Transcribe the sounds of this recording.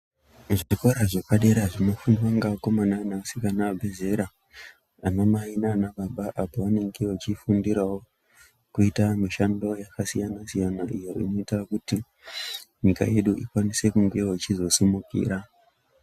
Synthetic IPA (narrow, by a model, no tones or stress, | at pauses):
ʐiko̞ɾaʐekaɗe̞ɾaʐino̞funiwaŋɡako̞mananasikanaabʱeze̞ɾa | anomainanaɓaɓaʔapoʋane̞ŋɡe̞wot͡ʃifundiɾawo̞ | kuitamiʃando̞jakasijanasijanaʔijo̞ḭno̞itakuti | ɲika̰je̞ɗuʔikwanise̞kuŋɡe̞wot͡ʃizo̞simukḭːɾa